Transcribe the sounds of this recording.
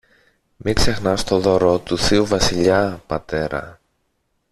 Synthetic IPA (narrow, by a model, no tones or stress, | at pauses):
mikse̞xnɐst̪o̞ðo̞ɾot̪uθiuvɐsiʎɐpɐt̪e̞ɾɐ̰